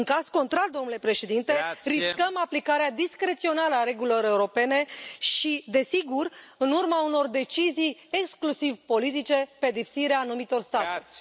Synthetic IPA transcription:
ɨŋkazko̞nt̪ɾald̪o̞mnule̞pɾe̞ʃe̞d̪int̪e̞ɾiskəmaplikaɾead̪iskɾe̞t̪sio̞naləaɾe̞ɡulilo̞ɾe̞uɾo̞pe̞ne̞ʃid̪e̞siɡurɨnurmauno̞rd̪e̞t͡ʃizijeksklusivpo̞lit̪̬it͡ʃe̞ped̪ipsiɾeaːnumit̪o̞rst̪at̪e

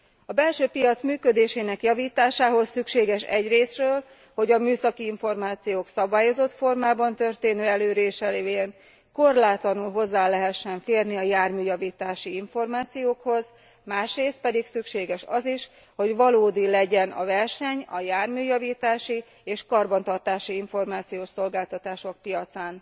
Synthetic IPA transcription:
ɒbɛlʃøːpijɒt̪smyːkød̪eːʃeːnɛkjɒviːt̪aːʃaːɦo̞sːykʃeːɡɛʃɛɟreːsrøːl | ho̞ɟɒmyːsɒkiiɱfo̞rmaːt̪sijoːksɒbaːjo̞zo̞t̪fo̞rmaːbɒnt̪ørt̪eːnøːɛløːɾeːʃɛleeːn | ko̞rlaːt̪lɒnulɦo̞zːaːlɛɦɛʃːɛɱfeːrniɒjaːrmyːjɒviːt̪aːʃiiɱfo̞rmaːt̪sijoːkho̞z | maːʃreːst̪̚pɛd̪iksykʃeːɡɛʃɒziʃ | ho̞ɟʋɒloːd̪ilɛɟɛnɒ̰vɛrʃɛɲɒjaːrmyːjɒviːt̪aːʃi | eːʃkɒrbɒnt̪ɒrt̪aːʃiiɱfo̞rmaːt̪sijoːʃso̞lɡaːlt̪ɒt̪aːʃo̞k̚pijɒt̪saːn

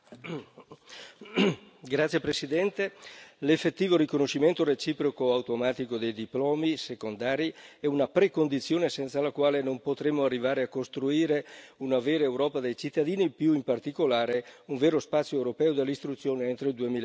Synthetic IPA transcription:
ɡɾat̪sːjepɾesid̪ɛnt̪elefːet̪ːiːvoɾikonoʃiment̪oret͡ʃiːpɾokoawt̪omaːt̪ikod̪ejd̪iplɔːmisekond̪aːɾiɛunapɾekond̪it̪sːjoːnesɛnt̪salakwaːlenompot̪ɾemːoarːivaːɾeakːost̪ɾuiːɾeunaveːɾaewɾɔːpad̪ejt͡ʃit̪ːad̪iːnipjuimpart̪ikolaːɾeuɱveːɾospat̪sjoewɾopɛːod̪elːist̪ɾut̪sːjoːneent̪ɾoild̪uemiːl

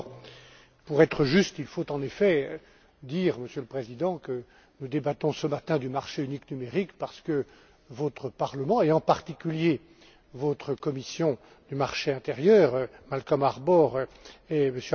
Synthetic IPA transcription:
puʁɛt̪χəʒyst̪ilfot̪ɑ̃nefɛø | d̪iːʁməsjøləpχezid̪ɑ̃kə | nud̪ebat̪ɔ̃səmat̪ɛ̃d̪ymaʁʃeyniknymeʁikpaʁsə̥kə | vɔt̪χəpaʁləmɑ̃eɑ̃paʁt̪ikʲylje | vot̪χəkɔmisjɔ̃ | d̪ymaʁʃeɛ̃t̪eʁjœːʁmalkɔmaʁbɔʁɛməsj

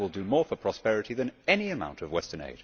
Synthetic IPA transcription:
ɪlˠdəmɔːɹfəpʰɹ̥ɑspɛɹɨɾiðɨ̃nɛniɨmã̰ʊ̃ntʰəvwɛstənḛɪd̥

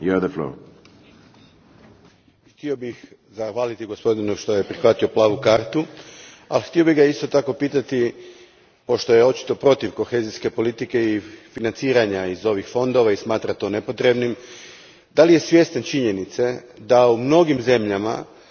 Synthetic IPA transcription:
juaðəflo̰ː | xt̪io̞bixzaxʋaːlit̪iɡo̞spo̞d̪inuʃt̪o̞je̞pɾixʋat̪io̞plˠaːʋukaːɾt̪u | alxt̪io̞biɣɡaist̪o̞t̪ako̞piːt̪at̪i | po̞ʃt̪o̞je̞o̞t͡ʃi̥t̪o̞pɾo̞t̪iʋko̞xe̞ːziske̞po̞lit̪ike̞ifinant̪siːɾaɲaizo̞ʋixfo̞nd̪o̞ʋaismaːt̪ɾat̪o̞ːne̞po̞t̪ɾe̞bnim | d̪alije̞sʋje̞st̪ant͡ʃiɲe̞nit̪sed̪aumno̞ɡimze̞mʎama̰

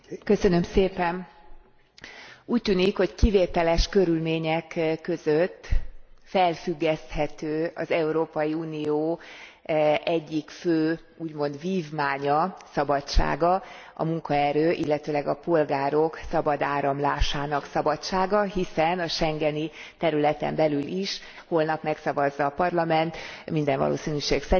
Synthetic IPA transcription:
kø̞sø̞nø̞mseːpɛn | uːc̚t̪yːnikho̞ckiveːt̪ɛlɛʃkøɾylmeːɲɛkkːø̞zøt̪ːfɛlfyɡːɛst̪hɛt̪øːɒ̰zɛuɾoːpɒjiuːnijoː | ɛɟːikføː | uːɟmo̞nd̪viːvmaːɲɒsɒbɒt͡ʃa̰ːɡɒ | ʔɒ̰muŋkɒɛɾøːʔilːɛt̪øːlɛɡɒpo̞lɡaːɾo̞ksɒbɒd̪aːɾɒmlaːʃaːnɒksɒbɒt͡ʃaːɡɒɦisɛnɒʃɛŋɡɛni | t̪ɛɾylɛt̪ɛ̰mbɛlylʔiʃ | hoːlnɒpmɛksɒvɒzːɒːpɒrlɒmɛnt̪mind̪ɛɱvɒ̰lʔo̰ːsinyʃeːksɛ

